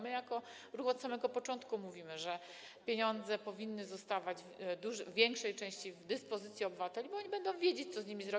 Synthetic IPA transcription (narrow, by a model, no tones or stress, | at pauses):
mɘjakɔ | ɾuxɔt̪samɛɡɔpɔt͡ʂɔnt̪kumuvʲimɘʐɛ | pʲjeɲɔnd̪zɛpɔvʲinːɘzɔst̪avad͡ʑ | d̪uʐːʲjɛŋkʂɛjt͡ʂɛ̃w̃ɕt͡ɕivd̪ɘspɔzɘt̪sʲiɔbɘvat̪ɛlʲibɔɔɲibɛnd̪ɔ̃w̃vʲjed͡ʑet͡ɕt̪sɔzɲimʲizɾɔ